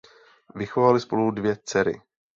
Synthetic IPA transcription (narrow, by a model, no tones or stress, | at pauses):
vɪxovalɪspo̞ludvjɛt͡sɛɾɪ̰